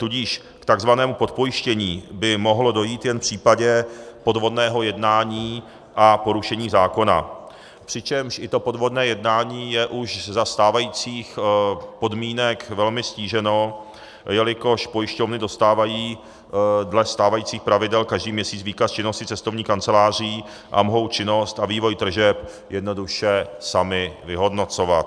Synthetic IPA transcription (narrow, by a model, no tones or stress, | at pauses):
t̪uɟiːʃ | kt̪aɡzvanɛːmupo̞t̪̚po̞jɪʃcɛɲiːbɪmo̞ɦlodo̞jiːt̪jɛnfpr̝̥iːpaɟɛpo̞dvo̞dnɛːɦo̞jɛdnaːɲiː | ʔapo̞ɾuʃɛɲiːzaːko̞na̰ | pr̝̥ɪt͡ʃɛmʃʔɪt̪o̞po̞dvo̞dnɛːjɛdnaːɲiːjɛʔuʃzast̪aːvajiːt͡siːxpo̞dmiːnɛkvɛlmɪsciːʒɛno | jɛlɪko̞ʃpo̞jɪʃcovnɪdo̞st̪aːvajiː | dlɛst̪aːvajiːt͡siːxpɾavɪdɛlkaʒdiːmɲɛsiːt͡sviːkast͡ʃɪno̞scɪt͡sɛst̪ovɲiːxkant͡sɛlaːr̝ɪː | ʔa̰moɦo̞wt͡ʃɪno̞st̪aviːvo̞jd̪r̩ʒɛp | jɛdno̞duʃɛsamɪvɪɦo̞dno̞t͡so̞vat̪̚